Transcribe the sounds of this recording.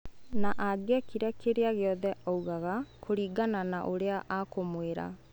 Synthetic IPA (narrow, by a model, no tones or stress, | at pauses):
naʔaɡɛkiɾakʰeɾeaɣeɔðɛɔuɣaɣakʰoɾiːɡananaʔoɾeaʔakomweɾa̰